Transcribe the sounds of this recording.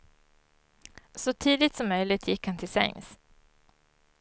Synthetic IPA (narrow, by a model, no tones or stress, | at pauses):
sɔt̪ʰiːd̪ɪt̪sɔmːœjlɪɡ̚t̪ʰjɪkːhant̪ʰɪlsɛ̰ŋs